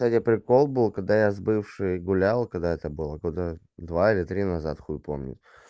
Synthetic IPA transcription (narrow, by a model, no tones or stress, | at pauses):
t̪atʲjapɾʲɪko̞lˠbɨlˠkɐɡ̚d̪ajazbɨfʂɨjɡʊlʲalˠkɐɡd̪aɛt̪əbɨlˠəkod̪a | d̪vaɪlʲɪt̪ɾʲinɐza̰t̪xujʲpo̞̰mnʲɪ̰tʲ